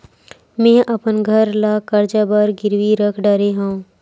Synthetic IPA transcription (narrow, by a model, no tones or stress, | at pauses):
mɛ̃ːʔɐpənɡʱəɾlaːkɐɾd͡ʒabəɾɡɪɾwiɾəkʰɖəɾeɦãũ